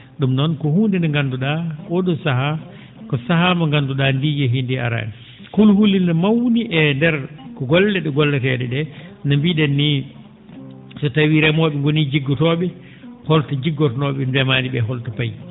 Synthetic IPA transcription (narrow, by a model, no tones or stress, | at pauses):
ɗumnɔnkɔhuːndɛnaŋɡanduɗaɔɗɔsaɦa | kɔsaɦamaŋɡanduɗandijɛɦindia̰ɾa̰ni | kulhulːiamawniʔɛndɛɾkɔɡɔlːɛɗɛɡɔlːɛtɛɗɛɗɛnambiɗɛnːi | sɔtawiɾɛmɔɓɛŋɡonid͡ʒiɡːɔtɔɓɛ | hɔltad͡ʒiɡːɔtɔnɔɓɛndɛmaːniɓɛɦɔltapaj